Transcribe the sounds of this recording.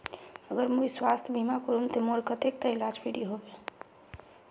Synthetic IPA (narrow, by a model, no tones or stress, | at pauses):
əɡəɾmujswast̪ʰbʱimakoɾumt̪emoɾkət̪ek̚t̪əilad͡ʒpʰiɽiɦobe